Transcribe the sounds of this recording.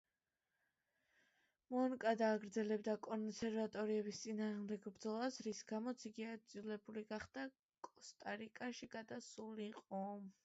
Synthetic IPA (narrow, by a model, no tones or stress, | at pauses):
mɔnkʼad̪aːɡɾd̪zɛlɛbd̪akʼɔnsɛɾvat̪ʼɔɾiɛbist̪sʼinaːʁmd̪ɛɡbɾd̪zɔlˠasɾisɡamɔt̪sʰiɡiad̪zilɛbuliɡaχd̪a | kʼɔst̪ʼaɾikʼaʃiɡ̥ad̪asuliqʼɔm